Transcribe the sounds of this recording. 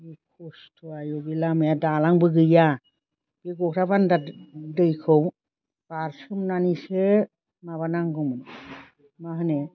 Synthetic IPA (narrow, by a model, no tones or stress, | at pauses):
bikʰɔstʰuajɔbilamejadalaŋbɯɡɯja | b̥iɡɔkʰɾabandadɯjkʰɯw | b̥aɾsɯmnanise | maβanaŋɡɯmɯn | maɦɯne